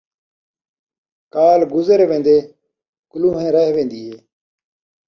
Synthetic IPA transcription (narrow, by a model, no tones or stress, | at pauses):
kaːlɡʊzəɾʋẽːnd̪eː | kʊlũːɦẽːɾəɦʋẽːnd̪iːɦeː